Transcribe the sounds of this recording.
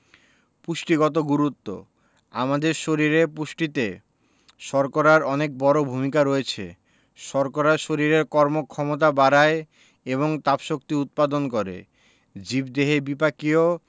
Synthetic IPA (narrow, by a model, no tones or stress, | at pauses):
puʃʈiɡɔt̪̬oɡuɾut̪ːo̰ | a̰mad̪eɾʃoɾiɾepuʃʈit̪e | ʃɔɾkoɾaɾɔnek̚bɔɾobʱumikaɾoet͡ɕʰḛ | ʃɔɾkoɾaʃoɾiɾeɾkɔɾmokʰɔmot̪̬abaɾae | eβoŋt̪apʃokt̪iut̪̚pad̪onkɔɾḛ | d͡ʑibd̪eɦebipakio